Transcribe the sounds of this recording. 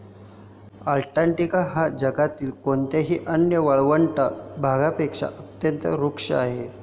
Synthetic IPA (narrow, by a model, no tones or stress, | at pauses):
alʈaɳʈikaɦad͡ʑəɡat̪iːlkoɳt̪eɦiːʔənjəʋəɭʋəɳʈabʱaɡapekʂa̰ʔət̪jənt̪əɾukʂə̰aɦe